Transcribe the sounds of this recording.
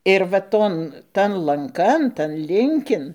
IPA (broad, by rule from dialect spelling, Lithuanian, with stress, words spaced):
ɪr ʋɐ ˈtoːn ˈtɐn lˠɐŋˈkɐn tɐn ˈlʲɪŋʲkʲɪn